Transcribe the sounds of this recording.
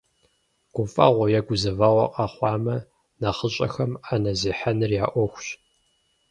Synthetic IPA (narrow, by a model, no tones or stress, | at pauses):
ɡ̥ʷʊfʼɐ̰ʁʷɔjɛɡʷʊzɐvɐʁʷɐ̰qʼɑχʷɑːmɐ | nɐχəɕʼɐ̰xɐmanɐziːħanɨrjaːʔʷɔxʷɕ